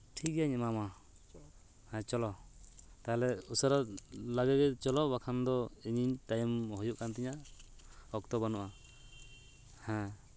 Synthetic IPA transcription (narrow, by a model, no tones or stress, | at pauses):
ʈʰik̚aɲɛmama | hɛ̃t͡ʃɔlɔt̪aɦɛlɛusɔɾalaɡɛɡɛt͡ʃɔlɔbakʰand̪ɔiɲiɲtajmhɔjuk̚ant̪iɲa | ɔk̚t̪ɔbanuʔa | hɛ̃